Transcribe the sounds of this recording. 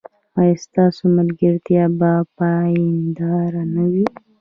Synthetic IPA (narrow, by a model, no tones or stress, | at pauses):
ɑjɑst̪ɑsomalɡəɾt̪jɑbapɑind̪ɑɾanawi